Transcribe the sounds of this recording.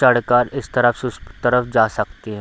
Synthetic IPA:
ɐɽkaːɾɪst̪ɐɾəfsʊst̪ɐɾəfd͡ʒaːsɐkt̪iɦɛ̃

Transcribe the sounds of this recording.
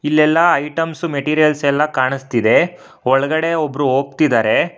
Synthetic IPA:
ilːɛlːɐːjʈɐmsumeʈiːɾijɐlsɛlːɐkaːɳist̪id̪e̞ | ɔɭɐɡɐɽe̞obɾuɦoːɡ̚t̪id̪aːɾe̞

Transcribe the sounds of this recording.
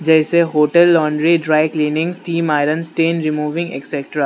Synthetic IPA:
d͡ʒɛːseɦoːʈəlːɔ̃ːɳɖɾiɖɾaːɪkliːnɪ̃ŋɡsʈiːmaːɪɾənsʈeːnɾɪmuːʋɪ̃ŋɡḛksɛkʈɾaː

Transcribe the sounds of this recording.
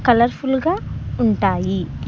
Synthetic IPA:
kɐlɐɾfulɡauɳʈaːji

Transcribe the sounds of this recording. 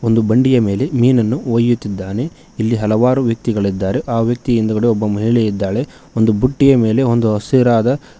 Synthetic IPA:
o̞nd̪ubɐɳɖijɐme̞ːle̞miːnɐnːuoːjut̪ːid̪ːaːne̞ | ilːiɦɐlɐʋaːɾuʋjɐk̚t̪iɡɐɭid̪ːaːɾe̞ʔaːʋjɐk̚t̪ijind̪ɐɡɐɽeɔbːɐmɐɦiɭɛjid̪ːaːɭe̞ | ond̪ubuʈːijɐme̞ːle̞o̞nd̪uɦɐsiɾaːd̪ɐ

